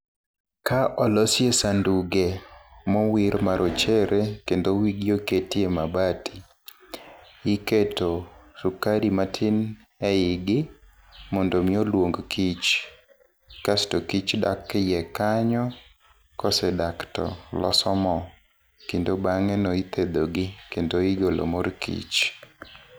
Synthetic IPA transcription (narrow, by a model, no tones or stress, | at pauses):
kʰaʔɔlɔsjesanduɡɛmɔwiɾmaɾʔot͡ʃɛɾekendowiɡjoketiemabatʰi | ɪketosukaɾimatʰɪn | ɛɪɡɪ | mɔndomiolwoŋɡkʰit͡ʃ | kasɪ̥tokit͡ʃda̰kːjɛkaɲɔ | kɔsɛdaktɔ̰lɔ̰sɔmɔ | kindobaŋɛnoit̪ʰed̪oɡɪkendoiɡolo̰morkḭt͡ʃ